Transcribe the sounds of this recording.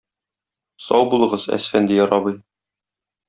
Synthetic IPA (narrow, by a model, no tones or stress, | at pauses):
sɒwbulˠɤ̆ʁɤzæ̰sfænd̪ɘjɒɾɑβɤj